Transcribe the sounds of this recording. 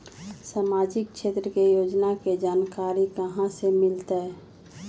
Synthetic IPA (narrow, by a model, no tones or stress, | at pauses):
saːmaːd͡ʒɪk̚ʃeːt̪ɾəkejoːd͡ʒnaked͡ʒaːnkaːɾikəɦãsemɪlt̪ɛ